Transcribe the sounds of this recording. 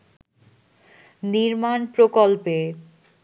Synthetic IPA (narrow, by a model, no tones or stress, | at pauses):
niɾmanpɾokolpe